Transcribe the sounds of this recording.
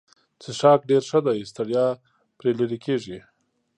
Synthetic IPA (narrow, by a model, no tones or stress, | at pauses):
t͡seʃɑk̚ɖeɾʂəd̪ajst̪aɽjɑ | pɾeləɾikʰeʐi